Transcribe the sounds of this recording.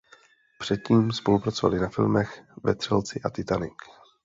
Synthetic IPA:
pr̝̥ɛt̪̚ciːmspo̞lupɾat͡so̞va̰lɪnafɪlmɛxvɛt̪r̝̥ɛlt͡sɪʔat̪ɪt̪anɪk

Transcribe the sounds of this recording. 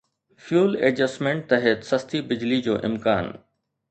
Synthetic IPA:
fjuːleːd͡ʑɐsmẽːɳʈ̚t̪ɐɦɛt̪sɐst̪ibɪd͡ʑlid͡ʑo̰ːʔɪmkaːn

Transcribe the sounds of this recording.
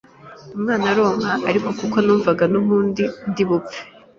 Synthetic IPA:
umŋaːnaɾoːŋhaʔːɾiko̞kukonuːɱvaɡanuβuːndindiβupp͡fe̥

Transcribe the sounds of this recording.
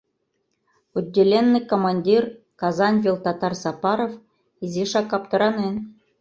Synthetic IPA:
udʲːelʲenːɘkomɑnʲdʲir | kɑzɑnvʲilˠt̪ɑt̪ɑrsɑpɑɾof | izʲiʂɑkːɑpt̪ɤ̆ɾɑnen

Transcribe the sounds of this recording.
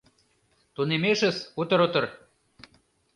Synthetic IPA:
t̪unemeʃə̆sut̪ə̆ɾut̪ɤ̆r

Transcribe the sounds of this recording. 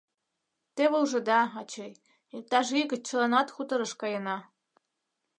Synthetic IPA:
t̪eβɤuʒɤ̆d̪ɑɑt͡ɕɤj | ik̚t̪ɑʒiɡɘ̆t͡ɕɤ̆lˠɑnɑt̪xut̪ɤ̆ɾɤ̆ʃkɑjɤ̆nɑ

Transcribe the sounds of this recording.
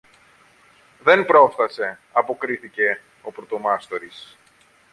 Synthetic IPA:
ðe̞npɾo̞fθɐse̞ɐpo̞kɾiθice̞ | o̞pɾo̞t̪o̞mɐst̪o̞ɾis

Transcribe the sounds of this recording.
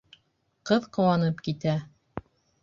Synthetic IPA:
qɤðqŏwɑnɤpkit̪æ

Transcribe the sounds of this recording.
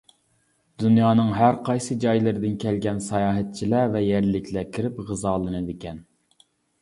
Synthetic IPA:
d̪̥unjɑːnɨŋɦæɾqʰɑjsɨd͡ʒɑjlˠɨɾɪd̪ɪnkʲʰɛlɡʲɛnsɑjɑːɦɛt̪̚t͡ʃʰilævɛjæɾlɪkʲʰlækʲʰiɾɪpʁɨzɑːlˠɨnɨd̪ɪkʲɛn

